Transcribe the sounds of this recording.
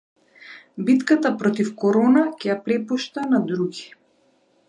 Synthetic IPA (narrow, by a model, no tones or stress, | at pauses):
bit̪kat̪apɾɔt̪ifkɔɾɔnakʲɛjapɾɛpuʃt̪anad̪ɾuɡi